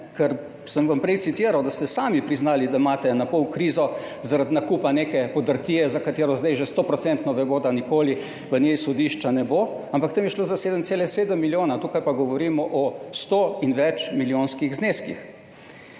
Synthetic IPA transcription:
kɛɾ | səmʋampɾɛjtsit̪iːɾawd̪ast̪ɛsaːmipɾiznaːlid̪aimaːt̪ɛnapɔwkɾiːzɔ | zaɾad̪nakuːpaneːkɛpɔd̪əɾt̪iːjɛzakat̪eːɾɔzd̪ajʒest̪oːpɾɔt̪sɛnt̪nɔʋɛboːd̪anikoːli | ʋənjejsɔd̪iːʃt͡ʃanɛbo | ampakt̪emjɛʃloːzaseːd̪əmt̪seːlɛseːd̪əmːiljoːnat̪uːkajpaɡɔʋɔɾiːmɔʔɔst̪oːinʋɛt͡ʃmiljoːnskiɣzneːskḭx

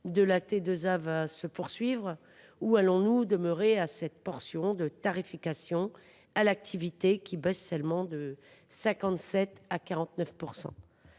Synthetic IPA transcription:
d̪əlat̪ed̪øzavasəpuʁsɥivʁ | ualɔ̃nud̪əmœʁeasɛt̪̚pɔʁsjɔ̃d̪ət̪aʁifikasjɔ̃ | alak̚t̪ʰivit̪ekʲibɛsːɛlmɑ̃d̪ə | sɛ̃kɑ̃t̪sɛt̪akaʁɑ̃t̪nœfpuʁsɑ̰̃

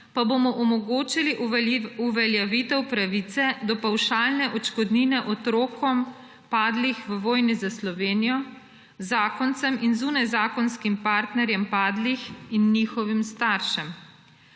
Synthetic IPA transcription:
pabomɔʔɔmɔɡoːt͡ʃiliʔuʋɛljɛʋit̪ɛwpɾaʋit̪sɛd̪ɔpawʃalnɛʔɔt͡ʃkɔd̪ninɛʔɔt̪ɾoːkɔm | paːd̪lixʋəʋɔːjnizaslɔʋeːnijɔ | zaːkɔnt̪sɛminzuːnajzaːkɔnskimpaːɾt̪nɛɾjɛmpaːd̪lixinːixɔʋimst̪aɾʃɛm

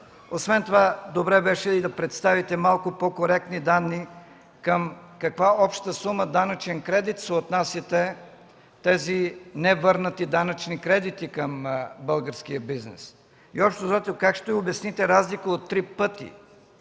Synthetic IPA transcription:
osvɛnt̪ovad̪obɾɛbɛʃɛd̪ɐpɾɛt̪st̪avit̪ɛmalˠkʊpokoɾɛk̚t̪nid̪anːi | kəmkɐkvaɔpʃt̪əsuməd̪anɐt͡ʃɛnkɾɛd̪it̪sɛot̪nasit̪ɛ | t̪ɛzinɛvɤɾnət̪id̪anɐt͡ʃnikɾɛd̪it̪ikəmbɤlˠɡəɾsk̟iəbiznɛ̰s | iɔpʃt̪ozat̪ɛkakʃt̪oiobʲɐsnit̪ɛɾazlikəot̪ːɾipɤt̪ḭ

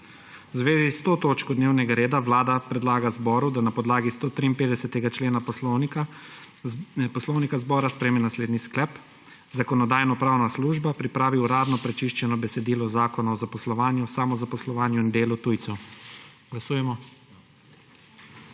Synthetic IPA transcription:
wzʋeːzist̪oːt̪oːt͡ʃkɔd̪neːwnɛɡaɾeːd̪aʋlaːd̪apɾɛd̪laːɡazbɔːɾud̪anapɔd̪laːɡist̪oːt̪ɾiːnpeːd̪ɛsɛt̪ɛɡat͡ʃleːna | pɔslɔwnikazbɔːɾaspɾɛmɛnasleːd̪nisklɛp | zakɔnɔd̪aːjnɔpɾaːwnasluːʒbapɾipɾaːʋiuɾaːd̪nɔpɾɛt͡ʃiʃt͡ʃɛnɔbɛsɛd̪iːlɔzaːkɔnaɔzapɔslɔʋaːnjusaːmɔzapɔslɔʋaːnjuind̪eːlut̪ujt̪sɛ | ɡ̥lasuːjɛmɔ

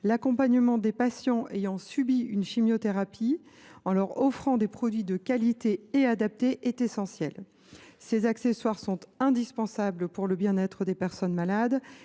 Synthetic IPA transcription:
lakɔ̃paɲəmɑ̃d̪epasjɑ̃ʔejɑ̃sybiynʃimjot̪eʁapi | ɑ̃lœʁɔfχɑ̃d̪epχɔd̪ɥid̪əkalit̪eead̪ap̚t̪eʔɛt̪esɑ̃sjɛl | sezakseswaʁsɔ̃t̪ɛ̃d̪ispɑ̃sablpuʁləbjɛ̃nɛt̪χəd̪epɛʁsɔnmalad̪

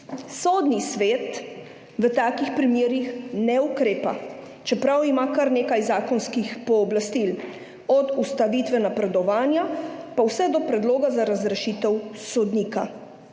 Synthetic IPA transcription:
soːd̪nisʋeːt̪ | ʋət̪aːkixpɾimeːɾixnɛukɾeːpa̰ | t͡ʃɛpɾawimakaɾneːkajzaːkɔnskixpɔːblast̪il | ɔd̪ust̪aʋit̪ʋɛnapɾɛd̪ɔʋaːnjapawsɛd̪ɔpɾɛd̪loːɡazaɾazɾɛʃiːt̪ɛwsɔd̪nika

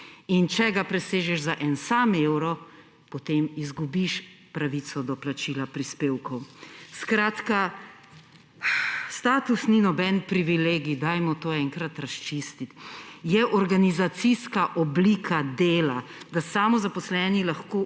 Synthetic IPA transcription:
int͡ʃɛɡapɾɛseːʒɛʃzaʔɛnsameːwɾɔ | pɔt̪emizɡubiʃ | pɾaʋit̪sɔd̪ɔplat͡ʃilapɾispeːwkɔwskɾaːt̪ka | st̪aːt̪usninɔbɛnpɾiʋileːɡid̪ajmɔt̪oːɛŋkɾat̪ɾast͡ʃist̪it̪jɛʔɔɾɡanizat̪siskaʔɔbliːkʰad̪eːlad̪asaːmɔzapɔslɛːnilaxko

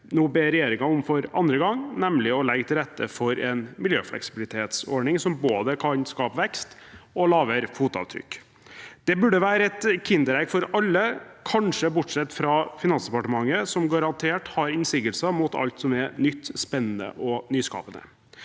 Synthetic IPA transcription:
noːbeːɾɛjeːɾɪŋɑɔmfɔɾɑ̰nd̪ɾəɡɑŋnɛmlɪɔlɛɡt̪ʰɪlɾɛt̪ːə̰fɔɾɛnmɪljø̰ːflɛ̰ksɪ̥bɪlɪt̪ʰeːt̪sɔ̰ɳɪŋsɔmboːd̪əkʰɑnskɑːpʋɛkst̪ɔlɑːʋəɾfuːt̪ɑ̰ʋt̪ʰɾʏ̰kː | d̪̥ɛbʉɖəʋæːɾəɛt̪kʰɪnd̪əɾɛɡfɔɾɑlːəkʰɑnʂəbʊʈʂɛt̪ːfɾɑfɪnɑnsd̪ɛpɑʈəmɑŋːəsɔmɡɑɾɑnt̪ʰeːʈhɑɾɪnsɪɡəlsɑmuːt̪ɑ̰lt̪sɔmɛnʏt̪ːspɛnːənə̰ʔɔnyːskɑ̰ːpənə̰

